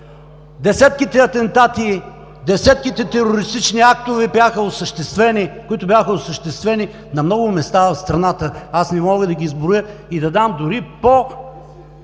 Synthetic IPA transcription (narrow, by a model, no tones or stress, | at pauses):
d̪ɛsɛt̪̚kit̪ɛɐt̪ɛnt̪at̪i | d̪ɛsɛt̪kit̪ɛt̪ɛɾoɾist̪it͡ʃniak̚t̪ʊvɛbjaxəosəʃt̪ɛst̪vɛnikʊit̪ʊbʲjaxəosəʃt̪ɛst̪vɛni | nɐmnɔɡʊmɛst̪avɐfst̪ɾɐnat̪əasnɛmɔɡəd̪ɐɡʲiːzbɾʊjəid̪ɐd̪amd̪ʊɾipo